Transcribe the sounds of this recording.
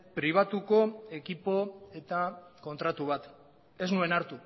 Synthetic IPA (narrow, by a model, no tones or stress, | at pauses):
pɾiβ̞at̪uko̞e̞kipo̞e̞t̪ako̞nt̪ɾat̪uβ̞at̪ | e̞znue̞naɾt̪u